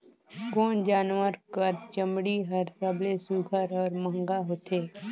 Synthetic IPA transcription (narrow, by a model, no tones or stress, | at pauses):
kɔːnd͡ʒaːnwəɾkəɾt͡ʃəmɽiɦəɾsəblesuɡʱəɾɔːɾmə̃ŋɡaɦoːt̪eː